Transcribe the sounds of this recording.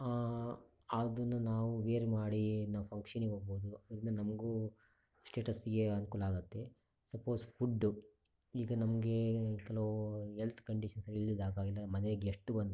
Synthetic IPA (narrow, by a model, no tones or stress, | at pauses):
a | aːd̪ɐnːunaːʋuʋeːɾmaːɽinɐpʰɐŋkʂɐniɡoːboːd̪uɐd̪ɾɐnːɐnɐmɐɡu | sʈeːʈɐsiɡeɐnukuːlaːɡɐt̪ːe̞ | sɐpoːspʰuɖːu | iːɡɐnɐmɐɡe̞kɛloɦelt̪ʰkɐɳɖiʃɐnsɐɾilːid̪aːɡaːɡilːɐmɐneɡeeʂʈːubɐnd̪u